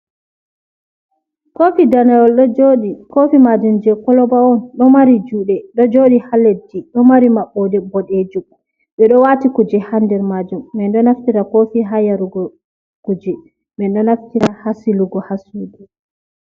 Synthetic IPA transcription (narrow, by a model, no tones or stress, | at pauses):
kofidanajɔlɗɔd͡ʒoɗikofimad͡ʒumd͡ʒɛkɔlɔbaɔnɗɔmaɾid͡ʒuːɗɛɗɔd͡ʒoɗihalːediɗɔmaɾimaɓːɔdɛbɔɗed͡ʒum | ɓɛɗɔwatikud͡ʒɛhandɛɾmad͡ʒumːɛndɔnaftiɾakofiɦajaɾuɡɔ | kud͡ʒɛ | ɓɛnɗɔnaftiɾahasiluɡɔhasuɡu